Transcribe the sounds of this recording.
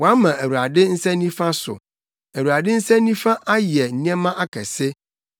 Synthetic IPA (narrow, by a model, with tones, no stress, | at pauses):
wɔ˨a˦mã˨ʔæ˨wu˨ɾa˨dɪ˦n̩˦sɛ˦nĩ˦fã˦sʊ̰˨ | æ˨wu˨a˨dɪ˦n̩˦sɛ̃˦nĩ˦fã˦ʔa˦jɪ˨ɛ˨n̩˨nĩ˦ɛ̃˦mã˦ʔa˦kʰɛ˨sɪ˦